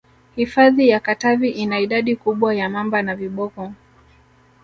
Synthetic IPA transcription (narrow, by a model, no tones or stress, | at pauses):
hifaðijakataviʔinaiɗaɗikuɓwajamambanaviɓɔkɔ